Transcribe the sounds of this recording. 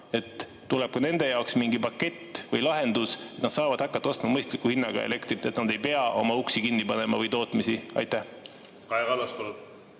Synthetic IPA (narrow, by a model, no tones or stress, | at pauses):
e̞t̪ː | ulɛ̞b̥̚kune̞nd̪e̞jɑoksmiŋɡipɑkːe̞t̪ːvɤjlɑɦe̞nd̪̥uset̪nɑd̪sɑːvɑd̪̥hɑkːˑɑt̪ːɑo̞st̪mɑmɤjst̪likːˑuhinːɑɡ̥ɑ̰ḛlʔe̞kt̪rit̪ːˑe̞t̪nɑd̪e̞jpe̞ɑʔo̞̰mɑuksikinːipɑne̞mɑvɤjt̪o̞ːt̪ˑmisiɑ̰jt̪ːˑæh | kɑeɡɑlɑsk̪ol